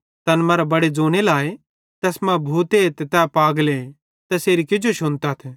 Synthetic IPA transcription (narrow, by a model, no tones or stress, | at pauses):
t̪ɐnmɐɾabɐɽed͡zoːɽ̃elaːe | t̪ɛːsmãbʱuːt̪eːt̪ɛt̪ɛpaːɡle | t̪ɛseːɾikɪd͡ʒoʃʊnt̪at̪ʰɛ